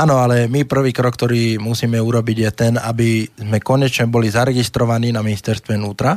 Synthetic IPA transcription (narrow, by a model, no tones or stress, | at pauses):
aːnɔalɛmipr̩ʋiːkɾɔkːt̪ɔɾiːmusiːmɛuɾɔbiɟjɛt̪ɛna̰bizmɛkɔɲɛt͡ʃɲɛbɔlizaɾɛɡist̪ɾɔʋaniːnaminist̪ɛɾst̪ʋɛnuːt̪ɾa